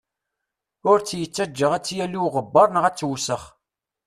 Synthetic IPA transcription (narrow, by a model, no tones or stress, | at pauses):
ʊɾt͡sːjət͡sːæd͡ʒːəʁæt͡sːjæliwʁəbːɑɾˤnʁæt͡sːwsəχ